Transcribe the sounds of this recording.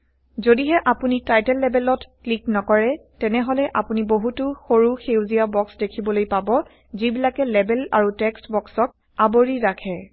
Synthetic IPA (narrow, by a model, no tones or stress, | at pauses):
zodiɦɛʔapunitajtɛlːɛbɛlɔtkliknɔkɔɹɛtɛnɛɦɔlɛʔapuniboɦutʊxoɹuxewziabɔksdekʰibɔlojpabɔ | zibilakɛlɛbɛla̰ɹutɛkstbɔksɔk̚ | aboɹiɹakʰɛ